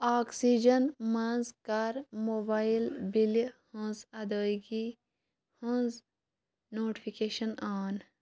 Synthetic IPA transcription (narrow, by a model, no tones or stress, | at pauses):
aːksid͡ʒɐnmãnzkaɾmoːbaːjilbilihõzɐd̪oːɡi | hõz | noːʈi̥pʰikeːʃɐnaːn